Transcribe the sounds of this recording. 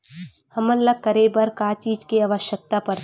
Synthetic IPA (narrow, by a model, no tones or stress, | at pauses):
hɐməlːaɡ̚kːəɾebɐɾkaːt͡ʃiːd͡ʒkeaʋəʃjək̚t̪apɐɾ